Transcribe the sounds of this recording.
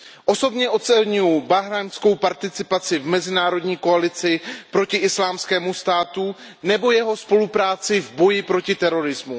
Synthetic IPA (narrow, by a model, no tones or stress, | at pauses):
ʔo̞so̞bɲɛʔo̞t̪t͡sɛlɲujubaɦɾansko̞wpaɾt̪ɪt͡sɪpat͡sɪvmɛzɪnaːɾo̞dɲiːko̞alɪt͡sɪpɾo̞cɪʔɪslaːmskɛːmust̪aːt̪u | nɛbo̞jɛɦo̞spo̞lupɾaːt͡sɪvbo̞jɪpɾo̞cɪt̪ɛɾo̞ɾɪzmu